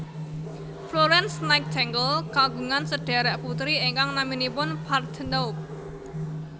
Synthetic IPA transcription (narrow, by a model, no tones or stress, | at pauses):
floɾɛnsnajt̪̚t̪ʰɛŋɡəlkaɡuŋansəɖ̥a̤ɾɛʔput̪ɾieŋkaŋnaminipʊnpard̪̥ənok̚